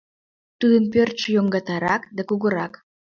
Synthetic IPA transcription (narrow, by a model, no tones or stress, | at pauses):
t̪ɨd̪ə̆npørt͡ʃəjoŋɡɑt̪ɑɾɑkd̪ækuɣə̆ɾɑk